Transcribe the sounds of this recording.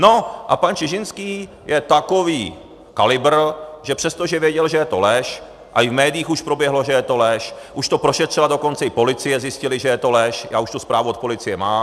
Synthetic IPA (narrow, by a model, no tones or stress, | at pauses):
no̞ʔapant͡ʃɪʒɪnskiː | jʔɛt̪ako̞viː | kalɪbr̩ʒɛpr̝̥ɛst̪oʒɛvjɛɟɛlʒɛjɛt̪o̞lɛʃ | ʔaɪvmɛːdɪiːxuʃpɾo̞bjɛɦlo̞ʒɛjɛt̪o̞lɛʃʔuʃt̪o̞pɾoʃɛt̪r̝̥ɛlado̞ko̞nt͡sɛɪpo̞lɪt͡sɪjɛzjɪscɪlɪʒɛjɛt̪o̞lɛʃja̰ːuʃt̪uspɾaːvuot̪̚po̞lɪt͡sɪjɛmaː